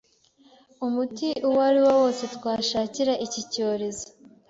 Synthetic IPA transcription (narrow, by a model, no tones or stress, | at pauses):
umutiʔuwaɾiwowo̞ːse̞twaːʃaːciɾaʔicico̞ːɾe̞zo̥